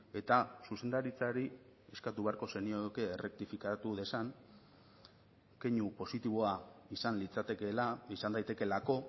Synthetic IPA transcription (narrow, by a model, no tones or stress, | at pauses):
e̞t̪asuse̞nd̪aɾit͡saɾi | e̞skat̪uβe̞aɾko̞se̞niokeːrʔe̞k̚t̪ifikat̪uðe̞saŋ | ke̞ɲupo̞sit̪iβo̞aisanlit͡sat̪ekelaisand̪ajt̪e̞ke̞lako̞